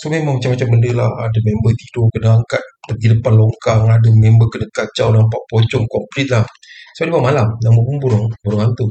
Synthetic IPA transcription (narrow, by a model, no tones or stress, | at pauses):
somemaŋmat͡ʃamat͡ʃambəndəla̰ha̰dəmembət̪idokənaaŋkat̪̚pət̪iləpanlɔŋkaŋadəmembəkənəkat͡ʃawnamp̬aʔpɔt͡ʃɔŋkɔmplɛt̪̚lah | soadibaaʔmalamjaŋbopuŋbuɾɔŋbuɾɔŋant̪u